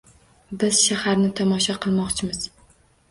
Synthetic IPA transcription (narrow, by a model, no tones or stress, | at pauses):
bɪz̥ʃahaɾnɪt̪ʰɒmɒʃɒqʰɨlˠmɒqt͡ʃʰɪmɪz̥